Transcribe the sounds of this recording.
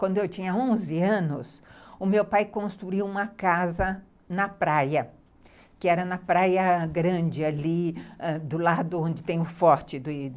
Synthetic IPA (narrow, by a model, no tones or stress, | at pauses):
kwʷɐ̃nd̪ʊewt͡ʃĩɲɐõzɪɐ̃nʊsʊmewpajkõst̪ɾuiwũmɐkazɐ | nɐpɾajɐ | kɪɛɾɐnɐpɾajɐɡɾɐ̃d͡ʒɪaliɛd̪ʊlad̪ʊõnd͡ʒɪt̪ẽj̃ʊfɔɾt͡ʃɪd̪ʊ